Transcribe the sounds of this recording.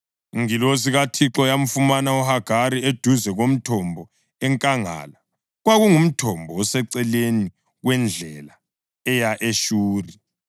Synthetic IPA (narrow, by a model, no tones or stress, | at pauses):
ŋilos̬iɣatʰiǁɔjam̩fumanaɔhaɡ̥ʱaɾied̥ʱuzɛɣom̩tʰɔmbʱɔ | ɛŋkʼaŋa̰ːla | ɣwaɣuŋum̩tʰɔmbʱɔɔsɛǀɛleni | ɣwɛnd͡ɮʱɛla | ɛjaʔeʃuːri